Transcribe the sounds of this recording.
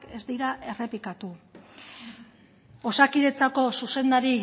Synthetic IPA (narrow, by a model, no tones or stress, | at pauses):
ke̞zd̪iɾaʔe̞re̞pikat̪u | o̞sakiðe̞t͡sako̞suse̞nd̪aɾi